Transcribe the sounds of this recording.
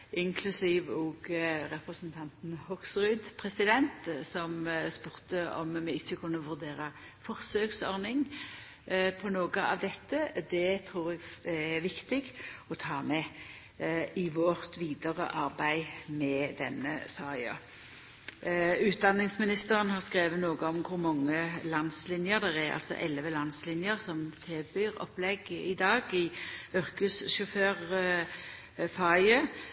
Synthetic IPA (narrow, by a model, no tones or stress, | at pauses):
ɪŋkʰlʉsiːʋoːɡɾɛpʁəsnt̪ʰɑnt̪n̩hɔksʁʉd̪pʰʁɛsɪd̪ɛnt̪sɔmspʉʁt̪əɔ̰mmɛɪçːəkʰʉnːəʋʉʁd̪eːʁɑ | fɔʁsøːɡsɔʁnɪŋ | pʰɔnoːɡəʔɑ̰ʋd̪ɛt̪ːəd̪ɛt̪ʰɾuːʁɛɡɛʋɪkt̪ɪɡɔt̪ʰɑːmɛ | ɪʋɔʁt̪ʰʋiːd̪əʁə̰ʔɑʁbæɪmɛd̪ɛnːə̰sɑːɪɑ̰ | ʉːt̪̚d̪ɑnːɪŋsmɪnɪst̪əʁənhɑʁskʁeːʋənoːɡəɔmkʰʊɾmɑŋːəlɑnslɪnjəʁd̪ɛʁæɾɑ̰lt̪sɔ̰ʔɛlʋəlɑnslɪnjəʁsɔmt̪ʰɪlbyːʁɔ̰plɛɡɪd̪ɑːɡɪʉɾkʉsʃʊføːʁ | fɑɪə